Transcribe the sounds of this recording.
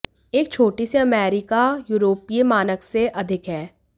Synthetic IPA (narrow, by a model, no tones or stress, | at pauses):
eːk̚t͡ʃʰoːʈiseɐmɛːɾɪkajuːɾoːpiemaːnəkseʔɐd̪ʱɪkɦɛː